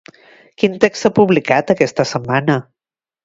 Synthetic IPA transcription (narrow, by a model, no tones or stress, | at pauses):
kint̪eksapuβlikat̪əkɛst̪əsəmːanə